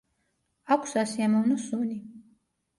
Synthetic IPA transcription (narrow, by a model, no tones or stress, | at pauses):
akʷʰsasiamɔvnɔsuni